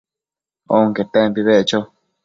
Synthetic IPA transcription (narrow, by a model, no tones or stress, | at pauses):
oŋket̪empiβeʔt͡ʃo